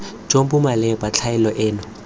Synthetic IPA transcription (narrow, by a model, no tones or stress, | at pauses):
d͡ʒombʊmalɛbat͡ɬʰaɪlɔʔɪːnɔ